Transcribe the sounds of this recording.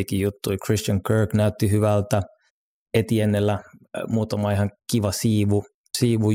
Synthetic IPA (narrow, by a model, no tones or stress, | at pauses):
ikijjut̪ːuikrist̪ɑŋkøːknæyt̪ːihyʋælt̪æ | et̪ienːelːæmuːt̪ɑmɑihɑŋkiʋɑsiːʋu | siːʋu